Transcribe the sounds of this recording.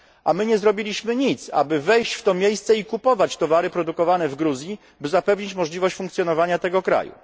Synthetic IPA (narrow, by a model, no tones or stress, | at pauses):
ʔamɘɲɛzɾɔbʲilʲiɕmɘɲit̪sa̰bɘvɛjɕt͡ɕft̪ɔmʲjejst̪sɛikupɔvat͡ɕt̪ɔvaɾɘpɾɔd̪ukɔvanɛvɡɾuzʲji | bɘzapɛvɲit͡ɕmɔʐlʲivɔɕt͡ɕfuŋkt̪sʲjɔnɔvaɲat̪ɛɡɔkɾa̰jṵ